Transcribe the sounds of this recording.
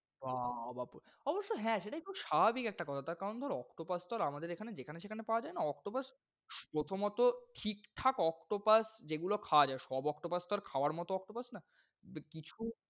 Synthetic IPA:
babapuɾ | ɔboʃːoɦɛ̃ʃeʈaeuʃababikɛk̚ʈakɔt̪ʰat̪aɾkaɾond̪ʱɔɾeɔkʈopast̪ɔɾamad̪eɾekʰaned͡ʑekʰaneʃekʰanepaoad͡ʑaenaɔkʈopas | pɾot̪ʰomɔt̪oʈʰikʈʰakɔkʈopasd͡ʑeɡulokʰawad͡ʑaeʃɔbɔkʈopast̪ɔɾekʰaoaɾmɔt̪oɔk̚ʈopasna | bekit͡ɕʰu

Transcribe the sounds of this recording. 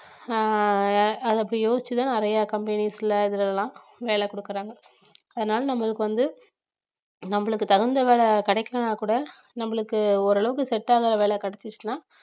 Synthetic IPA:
ɐðɯɐpːɐɽijoːsɪt͡ʃːɯt̪ãːɐɾɐjakɐmbɐnisɪlɐɪðɐlɛlːãː | ʋeːɭɛkɔɽɯkːɪɾaːŋɡɐ | ɐðɐnaːlɐnɐmːɐɭɯkːɯʋɐnd̪ɯ | nɐmːɐɭɯkːɯt̪ɐɣɯnd̪ɐʋeːlɛkɐɽɐɪkːɐɾɐnaːkuːɽɐ | nɐmːɐɭɯkːɯɔɾɐɭɐʋɯkːɯsɛʈːaːɣɪɾɐʋeːɭɛkɐɽɛt͡ʃːɯt͡ʃːɯnaː

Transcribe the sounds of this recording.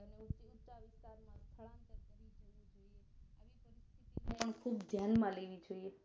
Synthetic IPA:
əneuʊt͡ʃaʋɪst̪aɾmãst̪ʰəɭãnt̪ənkəɾʋid͡ʒəʋĩd͡ʒoieaʋipəɾɪst̪ʰit̪ineəɳkʰuːbd̪ʱjanmãleʋid͡ʒoie

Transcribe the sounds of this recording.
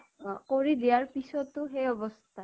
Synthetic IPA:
koɹid̪ijaɹpisɔt̪ʊɦejɔbɔst̪ʰa

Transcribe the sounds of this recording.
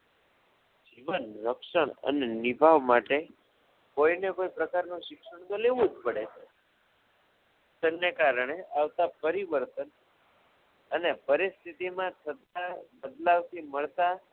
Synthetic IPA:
d͡ʒiʋənɾəkʃəɳə̰nenibʱaʋmaʈe | koinekoipɾəkaɾnũʃɪkʃəɳ̃t̪oleʋũd͡ʒpəɽet͡ʃʰe | tənːekaɾəɳeaʋt̪apəɾiʋəɾt̪ən | ənepəɾist̪ʰit̪imãt̪ʰət̪abəd̪laʋt̪ʰiməɭt̪a

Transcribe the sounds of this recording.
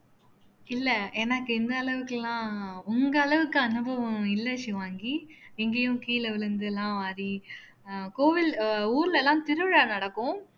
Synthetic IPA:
ɪlːɛeːnɐkːɯɪnd̪ɐːɭɐʋɯkːɛlːãːʊŋɡɐːɭɐʋɯkːɯɐnɯbɐʋɐ̃ɪlːɐʂɪʋaːŋɡiɛŋɡejʊ̃kiːlɐʋɪlɯnd̪ɯɛlːãːʋaːɾi | koːʋɪluːɾɪlɛlːãːt̪ɪɾɯʋɪɻaːnɐɽɐkːʊ̃

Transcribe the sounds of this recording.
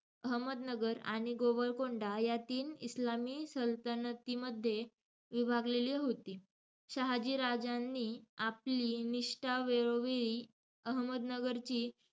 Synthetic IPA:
əɦməd̪nəɡəɾa̰ɽ̃iɡoʋəɾkoɳɖajat̪iːnislamiːsəlt̪ənət̪iməd̪ʱːje | ʋibʱaɡleliːɦot̪iː | ɕaɦad͡ʑiːɾad͡zanːiːapliːniʂʈaʋeɾoʋeɭiː | əɦməd̪nəɡəɾt͡ɕiː

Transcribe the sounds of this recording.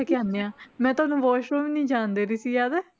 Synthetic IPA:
kɪaːnːeːãːmɛ̃ːt̪ʊaːnũːʋɔːʃoːʋiːnĩːd͡ʒaːnd̪eːɾiːsiːjaːd̪ɛ

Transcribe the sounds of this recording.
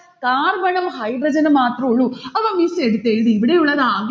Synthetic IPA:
kaːɾbɐɳɐmɦɐjbɾɐd͡ʒɐnɐmaːt̪ɾoːɭuɐʋaːmiseɽit̪ːeid̪iːʋiɽeʋɭaːd̪ɐaːɡ

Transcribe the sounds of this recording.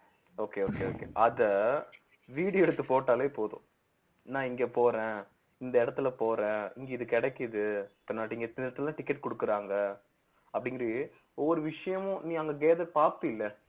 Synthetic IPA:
oːkeːoːkḛo̰ːkḛʔɐðɐ | ʋiːɽɪjɐɛɽɯt̪ːɯpoːʈːaːleːpoːðʊ̰̃ | nãːɪŋɡeːpoːɾẽː | ɪnd̪ɐɪɽɐt̪ːɪlɐpoːɾẽːɪŋɡeːɪðɯkːɛɽɛkːɪðɯɪpːɐːnaːʈːɪŋɡɐt̪ɪɾɐt̪ːɯllãːʈɪkːɛʈkɔɽɯkːɯɾaːŋɡɐ | ɐpːɐɽɪŋɡɪɾ | ɔʋːɔɾɯʋɪʂɐjɐmʊ̃nĩːɐŋɡɐɡeːðɐpaːpːɯɪlːɛ

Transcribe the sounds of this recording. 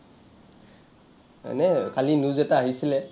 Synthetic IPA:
ma̰nɛkalinuzɛtaaɦisilɛ

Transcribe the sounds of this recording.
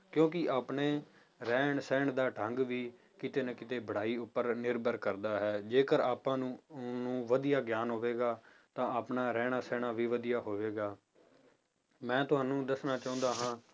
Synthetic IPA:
kjõːkɪʔaːpɳeː | ɾɛːɳsɛːɳd̪aːʈʰəŋɡʋiː | kɪt̪eːnəkɪt̪eːbəɽ̤aːiːʊpːəɾnɪɾbəɾkəɾd̪aːɦɛːd͡ʒeːkəɾaːpãːnũːnũːʋəd̪ijaːɡjaːnɦoːʋeːɡaː | t̪ãːaːpnaːɾɛːɳ̃aːsɛːɳaːʋiːʋəd̪ijaːɦoːʋeːɡaː | mɛ̃ːt̪ʊɦaːnːũːd̪əsnaːt͡ʃaːʊ̃nd̪aːɦãː

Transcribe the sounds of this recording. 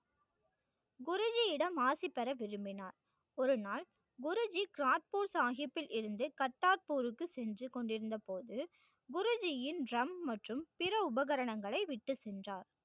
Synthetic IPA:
ɡʊɾɯd͡ʒɪjɪɽɐmaːsɪpːɛɾɐʋɪɾɯmbɪnaːɾ | ɔɾɯnaːl | ɡʊɾɯd͡ʒikɾaːt̪̚puːɾsaːɣɪpːɪlɪɾɯnd̪ɯkɐʈːaːɾpuːɾɯkːɯsɛndrɯkɔɳɖɪɾɯnd̪ɐpoːðɯ | ɡʊɾɯd͡ʒɪjɪnrɐmmɐʈrɯmpɪɾɐʊbɐɣɐɾɐɳɐŋɡɐɭɐɪʋɪʈːɯsɛndraːɾ

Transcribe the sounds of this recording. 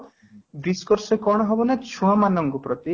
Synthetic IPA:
bɾiskɔɾsekɔɽ̃ɔɦɔbɔnat͡ʃʰuamanɔŋkɔpɾɔt̪i

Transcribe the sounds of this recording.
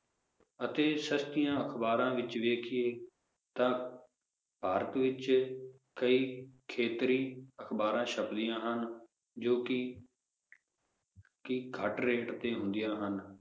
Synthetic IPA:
ət̪eːsəst̪ɪjãːəkʰbaːɾãːʋɪt͡ʃʋeːkʰɪeː | t̪ãː | bʱaːɾət̪ʋɪt͡ʃ | kəiːkʰeːt̪ɾiːəkʰbaːɾãːʃəpd̪ɪjãːɦən | d͡ʒoːkɪ | kɪɡʰʱəʈɾeːʈt̪eːɦʊ̃nd̪ɪjãːɦən

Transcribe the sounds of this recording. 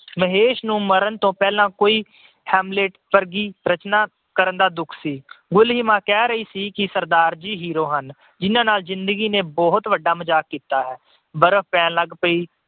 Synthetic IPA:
məɦeːʃnũːməɾənt̪õːpɛːlãːkoːiː | hɛːmbleːʈpəɾɡiːɾət͡ʃnaː | kəɾənd̪aːd̪ʊkʰsiːɡʊlɦiːmãːkɛːɾəiːsiːkɪsəɾd̪aːɾd͡ʒiːɦiːɾoːɦən | d͡ʒɪnãːnaːlzɪnd̪əɡiːneːbɔːɦt̪ʋəɖaːməd͡ʒaːkːiːt̪aːɦɛː | bəɾəfpɛːnləɡpəiː

